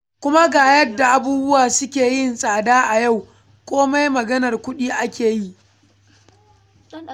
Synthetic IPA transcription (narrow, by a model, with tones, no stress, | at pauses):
kʷʊ˦ma˦ɡaː˨jɐ˦dːa˨ʔa˨buː˦bʊ˦waː˨sʊ˦kʲeː˨jɪ˦˨nsʼaː˨daː˦ʔa˨ja˦˨w | kʷoː˦ma˦jmɐ˨ɡɐ˦nɐ˨rkʷʊ˦ɗiː˦ʔa˦kʲeː˨ji˦ʔ